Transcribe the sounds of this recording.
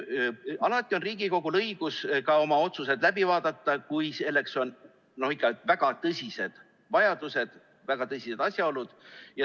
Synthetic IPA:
ɑlɑt̪ːˑio̞nriːɡiko̞ɡ̥ulɤjɡ̥uskɑo̞mɑo̞t̪suse̞d̪læbivɑːd̪̥ɑt̪ːɑkujse̞lːe̞kso̞n | no̞hikːˑɑvæɡ̥ɑt̪ɤsʲise̞d̪̥ | vɑjɑd̪̥use̞d̪̥ | væɡ̥ɑt̪ɤsʲise̞d̪̥ɑsʲjɑo̞lud̪̥jɑ

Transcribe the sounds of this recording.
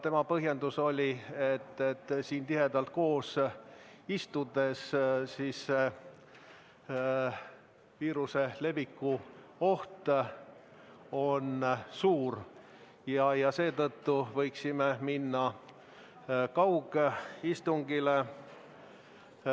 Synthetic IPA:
t̪e̞mɑpɤɦje̞nd̪uso̞lʲiet̪ːet̪ːsiːnt̪iɦe̞d̪ɑlt̪̚ko̞ːs | ist̪ud̪e̞ssiːs | viːɾuse̞le̞bikːuo̞ht̪ | o̞nsuːr | jɑjɑse̞ːt̪ɤt̪ːuvɤ̞jksimeminːɑ | kɑwɡ̥eist̪uŋɡile

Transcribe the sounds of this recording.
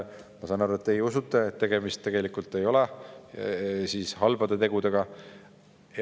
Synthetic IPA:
mɑsɑːnɑɾuet̪ːejusut̪ːˑeet̪ːe̞ɡ̥e̞mist̪ːe̞ɡ̥e̞likult̪ːˑe̞jo̞lɛ | siːshɑlvɑd̪̥e̞t̪e̞ɡ̥ud̪eɡ̥ɑ

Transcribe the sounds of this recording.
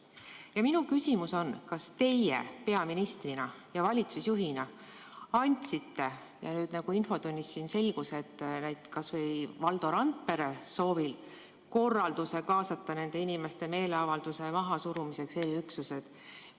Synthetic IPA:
jɑminukysʲimuso̞nkɑst̪e̞jḛpe̞ɑminist̪rinɑjɑvɑlʲit̪susjuɦinɑ | ɑnʲt̪ʲsit̪ːe̞ | jɑ̰nyːd̪̥nɑɡ̥uinfo̞t̪unʲːisːinse̞lɡ̥use̞t̪ːnæjd̪kɑsvɤ̞jvɑld̪̥o̞ɾɑnt̪̚pe̞ɾeso̞ːvil | ko̞rːɑld̪use̞kɑːsɑt̪ːɑne̞nd̪e̞inime̞st̪e̞me̞ːleɑvɑld̪̥use̞mɑɦɑsuɾumise̞kse̞ːliyksuse̞d̪̥

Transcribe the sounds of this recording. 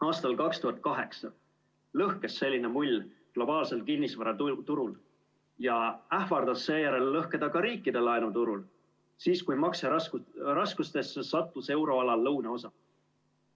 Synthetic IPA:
ɑːst̪ɑlkɑkst̪uɦɑt̪̚kɑɦe̞ksɑ | lɤhke̞sːe̞lʲːine̞mulʲːɡ̥lo̞bɑːlse̞lt̪̚kinʲːisvɑɾɑt̪uɾul | jɑæhvɑrd̪̥ɑsːe̞ːjæɾe̞lːɤhke̞d̪̥ɑkɑɾiːkːˑid̪e̞lɑenut̪uɾul | siːskujmɑkserɑskust̪e̞sːesɑt̪ːˑuse̞wɾo̞ɑlɑlːɤwneo̞sɑ

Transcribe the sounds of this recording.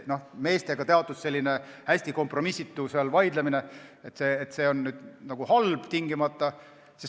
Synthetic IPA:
no̞hme̞ːst̪e̞ɡ̥ɑt̪e̞ɑt̪ːˑusse̞lʲːine̞hæsʲt̪iko̞mpro̞misːit̪ːusɑlvɑjd̪lemine̞et̪se̞ːt̪se̞ːo̞nːyːd̪̥nɑɡ̥uhɑlb̥t̪iŋɡimɑt̪ˑːɑ | sis

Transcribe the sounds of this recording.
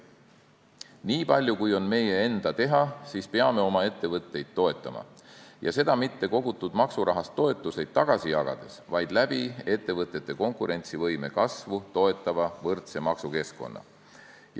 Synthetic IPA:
niːpɑlʲjukujo̞nme̞je̞end̪̥ɑt̪e̞ɦɑsiːspe̞ɑme̞o̞mɑe̞t̪ːe̞vɤt̪ˑːe̞jd̪̥̚t̪ːo̞e̞t̪ˑːɑmɑ̰jʔɑ̰se̞d̪̥ɑmit̪ːe̞ko̞ɡ̥ut̪ːˑud̪̥mɑksuɾɑɦɑst̪ːˑo̞e̞t̪ˑːuse̞jd̪̥̚t̪ɑɡ̥ɑsijɑɡ̥ɑ̰d̪̥e̞svɑjd̪̥læb̥ie̞t̪ːe̞vɤt̪ːˑe̞t̪ːe̞ko̞ŋkuɾʔe̞nt̪sivɤjme̞̰kɑsvut̪o̞e̞t̪ːˑɑvɑvɤrt̪se̞mɑksuke̞skˑo̞̰nːɑ̰

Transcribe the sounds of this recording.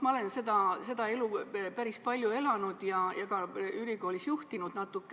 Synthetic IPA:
mɑole̞nse̞d̪ɑse̞d̪ɑe̞lupæɾispɑlʲjue̞lɑnud̪̥jɑjʔɑɡ̥ɑyliɡo̞ːlisjuht̪inud̪̥nɑt̪ːˑukːˑ

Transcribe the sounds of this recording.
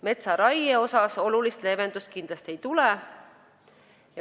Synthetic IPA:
me̞t̪sɑɾɑjeo̞sɑso̞lulist̪le̞ve̞nd̪̥ust̪̚kind̪̥lɑst̪ie̞jt̪ulɛ | jɑ

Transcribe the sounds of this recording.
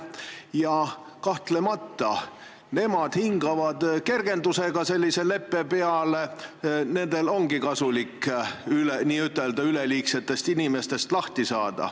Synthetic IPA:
jɑ | kɑht̪le̞mɑt̪ːˑɑ | ne̞mɑd̪̥hiŋɡɑvɑd̪ke̞rɡe̞nd̪use̞ɡ̥ɑse̞lʲːise̞le̞pːe̞pe̞ɑlene̞nd̪̥e̞lo̞ŋɡ̥ikɑsulikːyleniːyt̪ːˑe̞ld̪ɑyleliːkse̞t̪ːˑe̞st̪inime̞st̪e̞st̪lɑht̪isɑːd̪̥ɑ̰

